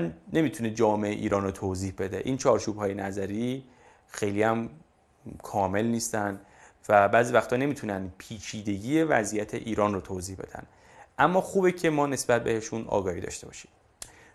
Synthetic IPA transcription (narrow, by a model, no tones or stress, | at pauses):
nne̞mit̪ʰuned͡ʒɒːme̞ʔḛʔḭːɾɒːnrot̪ʰoːziːhbe̞d̪e̞̰ʔiːnt͡ʃʰɒːɾt͡ʃʰuːbhɒːje̞næzæɾiː | xejliːæm | kʰɒːme̞lniːst̪ænd̪ | væbæːziːvæxt̪ɒːne̞miːt̪ʰunænpʰiːt͡ʃʰiːd̪e̞ɟiːje̞væzijæt̪ʰe̞̰ʔiːɾɒːnrot̪ʰoːziːhbe̞̰d̪æ̰n̥ | ʔæmːɒːxuːbecʰe̞mɒːne̞sbæt̪̚be̞he̞ʃunɒ̰ːɡɒːhiːd̪ɒ̰ːʃt̪e̞bɒ̰ːʃi̥m